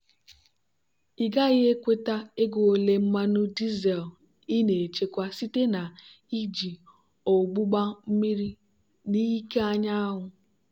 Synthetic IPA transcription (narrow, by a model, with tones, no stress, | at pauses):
i˨ɡa˦ɪ˦ɦe˦kʷe˦ta˦e˦ɡo˨o˨le˦m̩˦ma˦nʊ˦di˦zɛ˨l | i˦ne˨e˨t͡ʃe˦kʷa˦si˦te˦na˨ | i˦d͡ʒi˨ | o˨ɡ͡bu˦ɡ͡ba˦m̩˦mi˦ɾi˦ | ni˦ke˦a˦ɲa˦a˦ɦʊ˨